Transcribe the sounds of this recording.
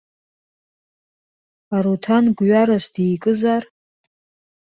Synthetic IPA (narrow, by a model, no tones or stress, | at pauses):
aɾutʰanɡɥaɾasdijkʼɨzar